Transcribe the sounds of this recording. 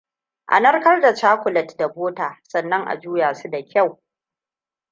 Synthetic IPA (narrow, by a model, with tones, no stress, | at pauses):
ʔa̰˨nɐ˦rkɐ˦rda˨t͡ʃaː˦kʷʊ˨lɐ˨tda˨boː˦taː˨sɐ˨nːɐ˦ŋʔa̰˨d͡ʒuː˦jaː˨su˦da˨kʲa˦˨w